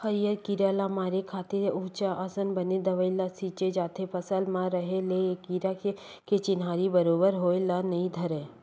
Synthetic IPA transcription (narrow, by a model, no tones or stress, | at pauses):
xɐɾijəɾkiɾaːlamaːɾekʰaːt̪ɪɾuːt͡ʃaʔəsənbəned̪ɐʋəɪlasiːt͡ʃed͡ʒaːt̪ʰepʰɐsəlmãɾəɦeleekiɾake | ket͡ʃɪnɦaːɾibəɾoːbəɾɦoːelanɐĩd̪ʱɐɾẽː